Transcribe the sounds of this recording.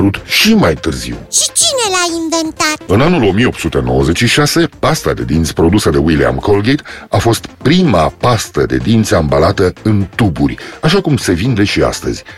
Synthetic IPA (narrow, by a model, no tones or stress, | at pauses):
ɾut̪ʃimajt̪ɨrzḭwʃit͡ʃinelainvent̪atɨnanulo̞mijeo̞pt̪sut̪e̞no̞wəze̞t͡ʃʃiʃase̞past̪ad̪e̞̰d̪int̪spɾo̞d̪usəd̪e̞wilia̰mkolɡejt̪afo̞st̪pɾimapast̪əd̪e̞̰d̪int̪seambalat̪əɨnt̪uburʲaʃakumse̞vind̪e̞ʃia̰st̪əz̥ʲ